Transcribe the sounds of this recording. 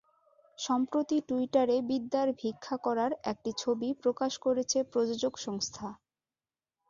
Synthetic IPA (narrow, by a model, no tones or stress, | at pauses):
ʃɔmpɾot̪iʈuiʈaɾebid̪ːaɾbʱikʰːakɔɾaɾɛ̰k̚ʈit͡ɕʰobipɾokaʃkoɾet͡ɕʰepɾod͡ʑod͡ʑoɡʃɔŋst̪ʰa